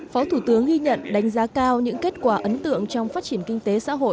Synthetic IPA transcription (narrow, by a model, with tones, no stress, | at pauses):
fɔ˨˦t̪ʰu˧˩t̪ɨ˨˦əŋɣi˧ɲə̰˧˨nɗa˨˦jŋ̟zaː˨˦kaː˧wɲɨ̰˧˥ŋke˦˥t̚kwaː˧˩ʔə˨˦nt̪ɨ̰˧˨əŋt͡ɕɔ˧wŋ͡mfaː˦˥t̚t͡ɕi˧˩ənkï˧ŋt̪e˨˦sa̰ː˧˥ɦo̰˧˨j